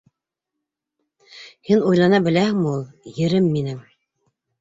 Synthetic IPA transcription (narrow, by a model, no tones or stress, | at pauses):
hinujlˠɑnɑbɘ̆læhɘŋmɘ̆ulˠjɘ̆ɾɘmːinɘm